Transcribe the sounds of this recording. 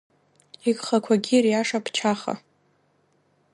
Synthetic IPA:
iɡχakʷʰaɡʲirjaʂapʰt͡ʃʰaχa̰

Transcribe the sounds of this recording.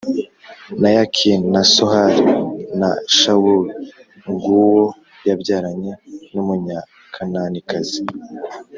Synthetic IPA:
najakʰinnasohaɾina̰ʃawuli | ŋɡuwo | jabɟaːɾaɲenumuɲa | kʰananikazi

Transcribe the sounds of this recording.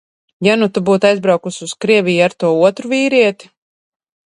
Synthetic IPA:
janut̪ubuːt̪ajzbɾawkususkɾiɛvijaɾt̪uɔuɔt̪ɾuviːɾiɛt̪i̥

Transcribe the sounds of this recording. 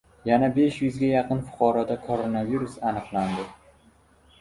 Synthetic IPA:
janabe̞ʃjʊzɡʲajɑqɨnfʊ̥qʰɒɾɒd̪akʰoɾo̞naviɾusanɨqlˠand̪ɪ

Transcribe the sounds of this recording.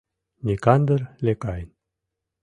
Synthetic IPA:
nʲikɑnd̪ərlʲekɑjn

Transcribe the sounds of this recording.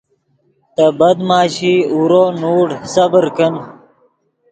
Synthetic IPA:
t̪ɐbɐd̪maːɕiːuɾoːnuːɽsɐbəɾkən

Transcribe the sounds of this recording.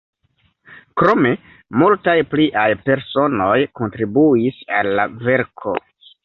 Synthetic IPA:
kɾo̞me̞ | multajpliʔajpe̞ɾso̞no̞jko̞ntɾibuisa̰lːa̰ve̞ɾkʰo̞̰

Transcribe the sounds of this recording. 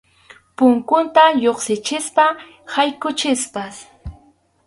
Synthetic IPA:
pʊŋkʊnt̪ajoχsɪt͡ʃɪspa | hajkʊt͡ʃɪspas

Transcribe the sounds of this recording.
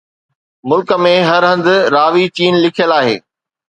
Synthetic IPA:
mʊlkə̆mẽɦɐɾɦɐ̃nd̪ʊ̆ɾaːʋit͡ɕiːnlɪkʰijəlaːɦḛː

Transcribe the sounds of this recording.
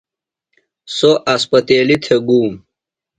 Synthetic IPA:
soʔɐspɐt̪eːlit̪ʰeɡuːm

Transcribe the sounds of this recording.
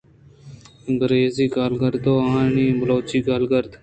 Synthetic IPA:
ɡəɾeːziːkaːlɡəɾd̪oːaːnĩːbəloːt͡ʃiːkaːlɡəɾd̪

